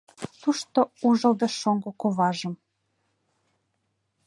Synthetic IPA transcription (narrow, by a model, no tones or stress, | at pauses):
t̪uʃt̪ouʒɤ̆ld̪ɤʃoŋɡokoβɑʒə̆m